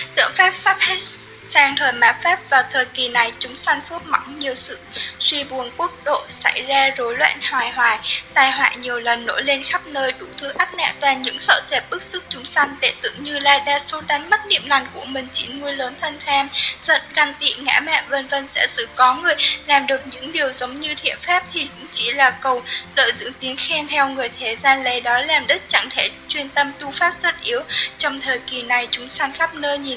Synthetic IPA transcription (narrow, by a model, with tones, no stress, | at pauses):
t̪ɨ̰˧˨əŋfaː˦˥k̚sa˦˥p̚he˦˥ | saː˧ŋt̪ʰəː˨˩jmaː˨˦fɛː˦˥p̚vaː˨˩wt̪ʰəː˨˩jki˨˩na˨˩jt͡ɕʊ˨˦ŋ͡msa˧jŋ̟fu˦˥t̚ma̰˧˩wŋ͡mɲi˨˩əwsɨ̰˧˨swi˧ɓu˨˩ənku˦˥ək̚ɗo̰˧˨sa˧˩jzaː˧zo˨˦jlwɛ̰ː˧˨nhwaː˨˩jhwaː˨˩jt̪aː˧˩jɦwa̰ː˧˨ɲi˨˩əwlə˨˩nːo̰˧˥jle˧nxa˦˥p̚nəː˧jɗu˧˩t̪ʰɨ˧ʔa˦˥t̚nɛ̰˧˨t̪waː˧˩nɲɨ̰˧˥ŋsə̰ː˧˨sɛ˨˩p̚ɓɨ˦˥k̚sɨ˦˥k̚t͡ɕʊ˨˦ŋ͡msa˧jŋ̟t̪ḛ˧˩t̪ɨ̰˧˩˨ŋɲɨ˧laː˧jɗaː˧su˨˦ɗa˨˦ŋmə˦˥t̚nḭ˧˨əmla˨˩jŋ̟ku˧˩əmï˨˩ŋ̟t͡ɕḭ˧˩ŋu˧əjləː˨˦nt̪ʰə˧nt̪ʰɛ˧mzə̰˧˥nka˧nt̪ḭ˧˨ŋa̰ː˧˥mɛ̰˧˨və˧nvə˧nsɛ̰˧˥sɨ̰˧˥kɔ˨˦ŋɨ˨˩əjlaː˨˩mɗɨ˨˩ək̚ɲɨ̰˧˥ŋɗi˨˩əwzə˨˦wŋ͡mɲɨ˧t̪ʰḭ˧˨ənfa˦˥p̚t̪ʰi˨˩kʊ̰˧˥ŋ͡mt͡ɕḭ˧˩laː˨˩kə˨˩wɗə̰ː˧˨zɨ̰˧˥ət̪i˨˦ənxɛ˧nt̪ʰɛ˧wŋɨ˨˩əjt̪ʰe˨˩zaː˧nle˨˩jɗɔ˨˦laː˨˩mɗɨ˦˥t̚t͡ɕa̰˧˨ŋt̪ʰe˧˩t͡ɕwi˧ənt̪ə˧mt̪u˧faː˦˥p̚swə˦˥t̚ʔi˨˦əwt͡ɕɔ˧wŋ͡mt̪ʰəː˨˩jki˨˩na˨˩jt͡ɕʊ˨˦ŋ͡msa˧nxaː˦˥p̚nəː˧jɲi˨˩n